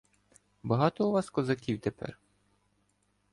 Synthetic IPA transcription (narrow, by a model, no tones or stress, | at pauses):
bɐɦɑt̪ɔuʋɑskɔzɐkʲiwt̪epɛ̰r